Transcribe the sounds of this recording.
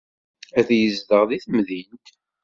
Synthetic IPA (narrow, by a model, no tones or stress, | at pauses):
æθjəzðəʁðiθmðint̪